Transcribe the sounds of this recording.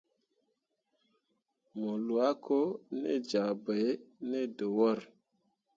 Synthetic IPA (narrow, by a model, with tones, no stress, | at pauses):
mo˨lu˨a˦ko˦nḛ˦d͡ʒa˨bə˨˦ne˦do˨wɔ˦˨ɾ